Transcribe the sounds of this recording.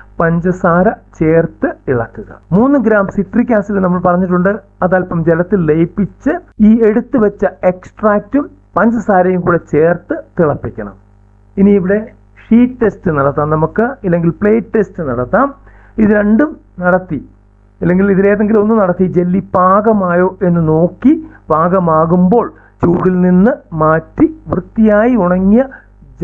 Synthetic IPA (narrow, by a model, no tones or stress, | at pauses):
pɐɲd͡ʑɐsaːɾɐt͡ɕe̞ːrt̪ɨiɭɐ̰t̪ːuɣɐ̰muːnːɨɡɾaːmsiʈrik̬ʲːaːsilnɐmːɐɭpɐrɐɲːiʈ̬ːuɳɖɨɐðaːlpɐmd͡ʑelɐt̪ːilːejpːit͡ɕːɨiːe̞ɽut̪ːɨʋɐt͡ɕːɐe̞ksʈraːk̚tːum | pɐɲd͡ʑɐsaːɾɐjumkuːɽe̞t͡ɕe̞ːrt̪ɨt̪iɭɐpːikʲːɐɳɐ̰m | iniːʋiɽe̞ | ʂiːtːe̞stɨnɐɽɐt̪ːaːmnɐmukːɨilːeŋɡilpɭe̞ːʈːe̞stɨnɐɽɐt̪ːaːm | iðɨɾe̞ɳɖum | nɐɽɐt̪ːi | ɐlːeŋɡiliðineːðeŋɡilo̞nːunɐɽɐt̪ːid͡ʑe̞lːibaːɣɐmaːjo̞ːʔe̞nːɨno̞ːkːibaːɣɐmaːɣumbo̞ːɭ | t͡ɕuːɽilninːɨmaːtːiʋrɨt̪ːijaːjiuɳɐŋːijɐ